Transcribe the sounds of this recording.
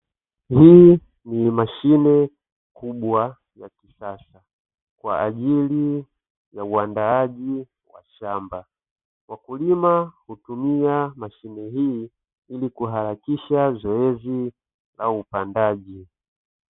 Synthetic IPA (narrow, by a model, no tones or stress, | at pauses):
hiː | nimaʃinɛ | kʰuɓwa | jakisasa | kwa̰aʄili | jauandaaʄi | wa̰ʃamba | wakulimahutumiamaʃinɛɦiː | ilikuɦaɾakiʃazɔɛzi | la̰upandaʄi